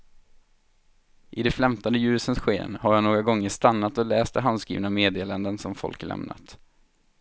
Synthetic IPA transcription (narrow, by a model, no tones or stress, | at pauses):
ʔɪd̪ɛfɾɛmt̪ɔnd̪əjʉ̟ːsənsɧḛːnhaɾjaːnoːɡɾaɡɔŋːəʂt̪anːat̪ɔlɛːst̪ɛɦand̪skɾḭːvnameːd̪eːland̪ənsɔmfɔ̰lklʔɛ̰mna̰t̪